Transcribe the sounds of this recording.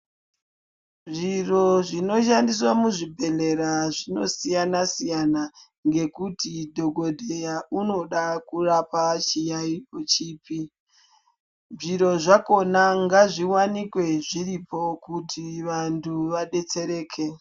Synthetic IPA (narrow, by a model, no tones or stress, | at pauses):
ʐiro̞ʐino̞ʃ̬andis̬wamuʐibʱe̞ɮe̞ɾaʐino̞̰sijanasijana | ŋɡe̞kutidʱo̞ɡʱo̞dʱejaʔuno̞ɗakurapat͡ʃijaipo̞t͡ʃiːpi | nʐiɾo̞ʐako̞naŋɡaʐiwanikwe̞ʐiɾipo̞kutʰiʋantʰuʋaɗe̞t͡se̞ɾeːkʰe̞